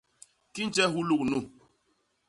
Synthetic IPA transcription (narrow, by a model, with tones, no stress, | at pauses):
ki˦n˦t͡ʃɛ˦ɦu˦lu˦k̚nu˦˨